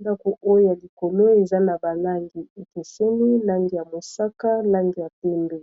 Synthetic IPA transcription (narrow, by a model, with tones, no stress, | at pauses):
nda˦ko˨ʔo˦jo˦ja˨li˨ko˨lo˦e˨za˦na˨ba˨la˦ŋɡi˨e˨te˨se˦li˦la˦ŋɡi˨ja˨mo˨sa˦ka˦la˦ŋɡi˨ja˨pe˦mbe˨